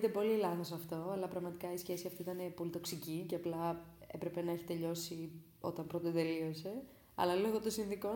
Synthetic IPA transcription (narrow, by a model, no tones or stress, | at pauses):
t̪epo̞lilɐθosɐft̪o̞ɐlɐpɾɐɣmɐt̪ikɐisçe̞siɐft̪iit̪ɐnepo̞lit̪o̞ksicice̞ɐplɐḛpɾe̞pe̞nɐe̞çi̥t̪e̞ʎo̞si | o̞̰t̪ɐmpɾot̪et̪e̞lio̞se̞ | ɐ̰lɐlo̞ɣot̪o̞sinðiko̞